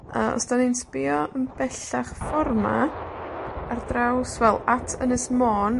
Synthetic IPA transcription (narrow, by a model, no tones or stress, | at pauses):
əɔ̰sd̥aninsbɪɔʔənbɛɬaχfɔrma̰ | ardrawsvɛlˠatʰənɨsmoːn